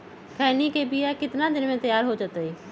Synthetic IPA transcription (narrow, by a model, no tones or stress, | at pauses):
kʰɛːnikebijakɪt̪nad̪ɪnmẽt̪əjaːɾɦod͡ʒat̪eiː